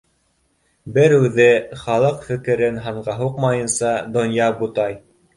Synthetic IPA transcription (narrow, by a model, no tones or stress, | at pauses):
bɘɾʉðɘχɑlˠɤqfɘ̆kɘ̆ɾɘnɦɑɴɢɑɦuqmɑjɤ̆nsɑd̪ŏnjɑbut̪ɑj